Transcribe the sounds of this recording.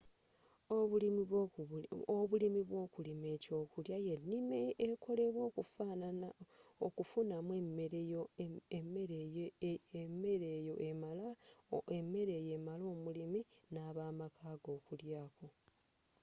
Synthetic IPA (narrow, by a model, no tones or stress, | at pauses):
oβulimi | oβulimiβwoːkulime̞ːco̞ːkuljajennimeːko̞le̞βwo̞ːkufaːnaaokufunamwemmeɾejome | e̞ɾeːjo̞ʔemalaemːe̞ɾe̞ːje̞malo̞ːmuliminaːβaːmakʰaːɡo̞ːkuljaːko̞